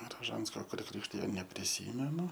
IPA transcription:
rɐˈʒɐnskoː kʊr ˈkrʲɪkʃʲtʲɪjoː nʲɛpʲrʲɪˈsʲiːmʲɛnʊ

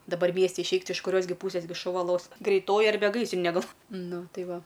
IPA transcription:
dɐˈbɐr ˈmʲiɛsʲtʲɪ ɪʃʲˈɛɪk tʲɪ ɪʃ kʊˈrʲoːs ɡʲɪ ˈpuːsʲeːs ɡʲɪ ʃʊˈʋɐ lˠoːs ɡrʲɛɪˈtoːjɪ ɐrʲˈbʲɛ ˈɡɐɪsʲrʲɪnʲeː ˈɡɐlˠ ˈnʊ ˈtɐɪ ˈʋɐ

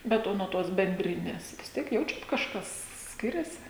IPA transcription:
ˈbʲɛt ˈoː nuɔ ˈtoːs bʲɛnʲˈdʲrʲɪnʲɛs ʋʲɪs ˈtʲiɛk ˈjɛʊt͡ʃʲɛt kɐʃˈkɐs ˈsʲkʲɪrʲɛsʲɪ

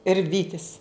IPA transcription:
ɪr ˈʋʲiːtʲɪs

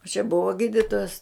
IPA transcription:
oː t͡ʃʲɛ ˈbʊʋoː ˈɡʲiːdʲɪtoːjɛs

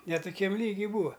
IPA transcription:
nʲɛ tʊˈkʲɛm ˈlʲiːɡʲɪ ˈbuːɐ

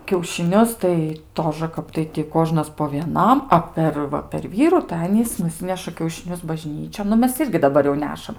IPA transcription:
kʲɛʊʃʲɪˈnʲʊs tɐɪ ˈtoːʒə ˈkɐp tɐɪ tʲɪ ˈkoːʒnɐs poː ʋʲiɛˈnɐm ˈɐ pʲɛr ˈʋɐ pʲɛr ˈʋʲiːrʊ tɐɪ ˈɑːnʲiːs nʊˈsʲɪnʲɛʃɐ kʲɛʊʃʲɪˈnʲʊs bɐˈʒʲnʲiːt͡ʃʲoːn nʊ ˈmʲɛs ˈɪrʲɡʲɪ dɐˈbɐr jɛʊ ˈnʲæːʃɐm

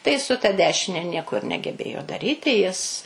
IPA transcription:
tɐɪ sʊ tɐ ˈdʲæːʃʲɪnʲɛ ˈnʲiɛkoː ɪr nʲɛɡʲɛˈbʲeːjoː dɐˈrʲiːtʲɪ jɪs

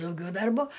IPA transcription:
dɐʊˈɡʲɛʊ ˈdɐrboː

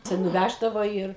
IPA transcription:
tɐɪ nʊˈʋʲæʒdɐʋoː ˈiːr

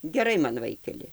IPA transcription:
ɡʲɛˈrɐɪ mɐn ˈʋɐɪkʲɛlʲɪ

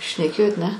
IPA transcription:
ʃʲnʲɛˈkʲeːjoːt ˈnʲɛ

